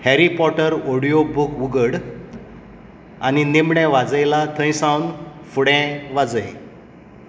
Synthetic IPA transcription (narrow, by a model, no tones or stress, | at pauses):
hɛɾipɔʈəɾoɽijobukʋuɡəɽ | aninemɳɛ̃ʋad͡zəjlat̪ʰə̃j̃sãwn | fuɽɛ̃ʋad͡zəj